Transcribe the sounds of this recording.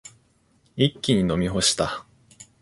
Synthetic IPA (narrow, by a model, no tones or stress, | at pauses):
ikʲːiɲ̟ino̞mʲiɦo̞ɕi̥t̪a